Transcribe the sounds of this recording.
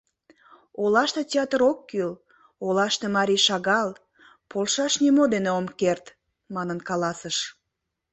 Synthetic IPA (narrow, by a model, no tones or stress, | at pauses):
olɑʃt̪et̪ʲeɑt̪əɾokːyl | olɑʃt̪emɑɾʲiʃɑɣɑl | polʃɑʃnimod̪eneomkert̪ | mɑnənkɑlɑsəʃ